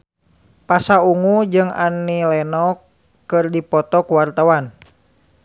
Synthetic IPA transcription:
pasauŋud͡ʒɨŋa̰nːilɛnɔkː | ɨrdipɔt̪ɔkuwart̪awan

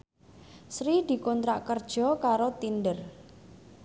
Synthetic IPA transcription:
sɾid̪̥i̤kont̪ɾaʔkərd̥ʒ̥ɔ̤kaɾot̪indər

